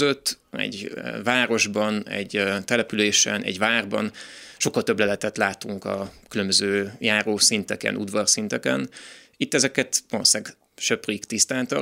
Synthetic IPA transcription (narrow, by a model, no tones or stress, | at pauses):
zøt̪ː | ɛ̰ɟvaːɾo̞ʒbɒnɛ̰ɟt̪ɛlɛpyleːʃɛ̰nɛ̰ɟvaːrbɒ̰nʃo̞kːɒlt̪øbːlɛlɛt̪ɛt̪laːt̪uŋkɒ̰kylømbøzøːjaːɾoːsint̪ɛkɛ̰nʔud̪ʋɒrsint̪ɛkɛn | it̪ːɛzɛkɛt̪ʋlosaːɡ | ʃøpriːkt̪ist̪aːnt̪ɒ